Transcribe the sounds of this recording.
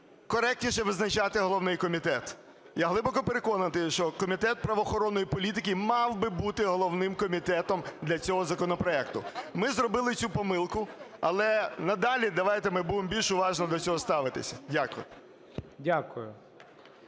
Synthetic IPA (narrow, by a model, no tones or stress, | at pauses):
kɔɾɛk̚tʲnʲiʃɛʋɪznɐt͡ʃɑt̪ɪɦɔlˠɔwnɪjkɔmʲit̪ɛt̪ | jaɦlˠɪbɔkɔpeɾekɔnɐt̪ɪʃt͡ʃɔkɔmʲit̪ɛt̪̚pɾɐʋɔːxɔɾɔnːɔjipɔlʲit̪ɪk̬ʲɪmɑwbɪbut̪ɪɦɔlˠɔʋnɪmkɔmʲit̪ɛt̪ɔmd̪lʲɐt͡sʲɔɦɔzɐkɔnɔpɾɔɛkt̪ʊ̰mɪzrɔbɪlˠɪt͡sʲupɔmɪlˠkʊɐlˠɛnɐd̪ɑlʲid̪ɐʋɑjt̪emɪbuʋɪmbʲilʲʃʊʋɑʒnɔd̪ɔt͡sʲɔɦɔst̪ɑʋɪt̪ɪ̰sʲɐ̥dʲakʊjʊ | dʲakʊjʊ